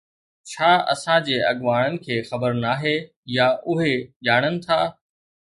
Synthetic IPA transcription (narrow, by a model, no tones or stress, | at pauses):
t͡ɕʰaːɐ̰sãd͡ʑeːɐɠʋaːɽ̃ənɪ̆kʰeːxɐbəɾnaːɦe | jaʔʊɦeʄaːɽ̃ənɪ̆t̪ʰaː